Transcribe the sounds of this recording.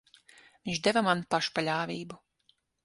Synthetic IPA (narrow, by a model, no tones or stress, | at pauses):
vʲiɲt͡ʃd̪ɛvamanpaʃu̥palʲaːvʲiːbu